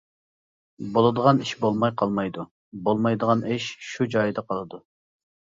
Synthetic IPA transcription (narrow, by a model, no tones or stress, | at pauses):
bolˠɨd̪əʁɑniʃbolˠmɑjqʰɑlˠmɑjd̪u | bolˠmɑjd̪əʁɑnɪʃʃud͡ʒɑjd̪ɑqʰɑlˠɨd̪u